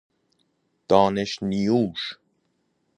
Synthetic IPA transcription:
d̪̥ɑːneʃnijuːʃ

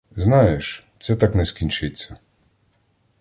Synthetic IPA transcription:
znɑjeʃt̪sɛt̪ɑknɛskʲinʲt͡ʃɪt͡sʲːɐ

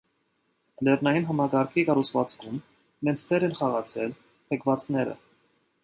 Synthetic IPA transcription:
lɛrnɑjinɦɑmɑkɑɾkʰikɑɾut͡sʰvɑ̰t͡skʰumː | ɛnt͡sʰt̪ʰɛɾɛnχɑʁɑt͡sʰɛl | pʰəkʰvɑt͡skʰnɛɾə̰

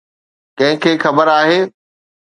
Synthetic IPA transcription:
kɐ̃ɦɪ̃kʰeːxɐbəɾaːɦeː

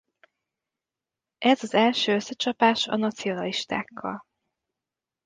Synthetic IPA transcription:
ʔɛzɒzɛlʃøːøsːɛt͡ʃɒpaːʃɒ̰nɒt̪sio̞nɒliʃt̪a̰ːkʰːɒ̰l

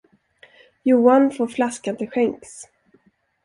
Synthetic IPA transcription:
juːanfoːɾflaskand̪ɛɧɛŋks

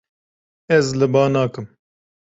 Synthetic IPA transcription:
ɛzlɨbɑːnaːkɨm

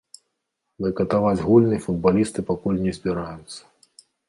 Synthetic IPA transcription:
d̪ɨkɐt̪avad͡zʲɣulʲnɨjfud̪̚balʲist̪ɨpakulʲnʲɛzʲbʲiɾajʊt̪sːɐ̥

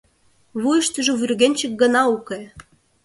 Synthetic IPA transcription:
βujɤ̆ʃt̪ə̆ʒɤ̆βyrɣenʲt͡ɕə̆k̚ɡə̆nɑukĕ

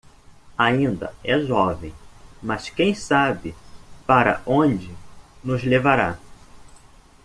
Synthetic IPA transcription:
aĩnd̪ɐ̰ɛʒɔvẽj̃mɐskẽj̃sabɪpaɾɐ̰ʔõd͡ʒɪnʊzlevaɾa

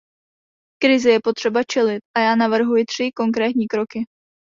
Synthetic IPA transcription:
kɾɪzɪjɛpo̞t̪r̥ɛbat͡ʃɛlɪt̪̚ʔajaːnavr̩ɦujɪt̪r̝̥ɪko̞ŋkɾɛːt̪ɲiːkɾo̞kɪ

